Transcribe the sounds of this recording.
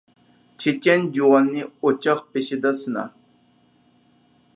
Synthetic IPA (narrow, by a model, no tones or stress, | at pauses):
t͡ʃʰet͡ʃɛnd͡ʒuʁɑnːɪot͡ʃɑχpeʃid̪ɑsɨnɑ̰